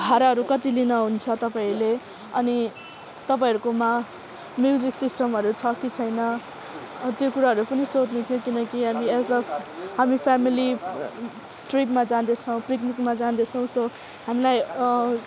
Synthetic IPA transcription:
ɡʱaɾaɦʌɾukʌt̪ilinʌɦunt͡sʰʌt̪ʌpaĩle | ʌni | t̪ʌp̬aĩʌɾukoma | mjud͡ziksisʈʌmɦʌɾut͡sʰʌkit͡sʰʌjnʌ | t̪jokuɾaɦʌɾupʌnisot̪net̪ʰjokinʌkiɦamiesʌpʰɦamipʰamili | ʈripmad͡zad̪et͡sʰʌw̃priknikmad͡zad̪et͡sʰʌ̃w̃sʌ | ɦamilaj

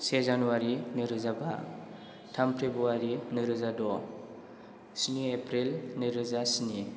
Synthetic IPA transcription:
sezanuaɾinɯɾɯzaba̰ | tʰampʰebuaɾinɯɾɯzadɔ | siniepʰɾilnɯɾɯzasini

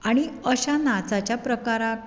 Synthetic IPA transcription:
aɽ̃iəɕanat͡sat͡ɕjapɾəkaɾa

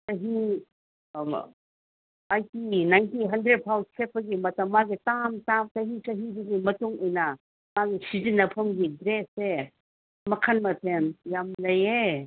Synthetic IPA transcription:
sɐɦi | ajtinajntiɦɐndɾed̚pʰawkʰepʰɐɡimɐtɐmːaɡitamtamtɐɦisɐɦidiɡimɐtuŋɔjnɐ | maɡisizinːɐpʰɐmɡidɾese | mɐkʰanmɐtʰenjamlɐje

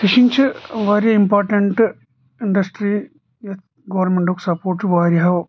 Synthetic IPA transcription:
t̪iʂiɲt͡ɕɨʋɐɾɐimpoːrʈːɐɳʈɨ | iɳɖɐsʈɾi | jet̪ | ɡɐʋɐrnmeɳɖoksɐpːoːʈːɨʋaːɾjɐɦɐʋ

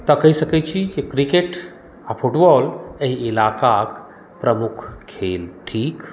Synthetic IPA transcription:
t̪ɔkɐisɐket͡ʃʰikekɾikeʈ | apʰuʈbɔleɦiːlaːkak | pɾəmukʰkʰeːlʈʰiːk

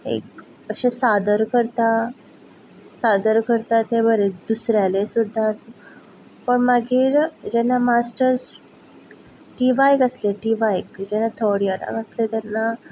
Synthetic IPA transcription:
ḛk | əɕesad̪əɾkəɾt̪a | sad̪əɾkəɾt̪at̪ebəɾed̪usɾjalesud̪ʱːaəsu | pəɳmaɡiːɾd͡ʑɛnːamasʈəɾs | ʈiʋajkəsleʈiʋajkd͡ʑɛnːat̪ʰɔɽjaɾa̰kəslet̪ɛnːa

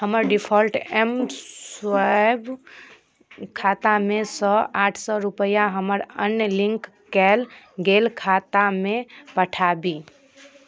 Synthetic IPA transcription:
həməɾɖipʰɔlʈemswajb | kʰat̪amesə̃aʈʰsɔɾupəjaɦəməɾənjəlĩŋkː | ɛl | ɡelkʰat̪amepəʈʰabi

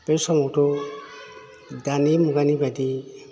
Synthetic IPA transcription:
peɾsɔmɔwtɔ | danimuɡanibadi

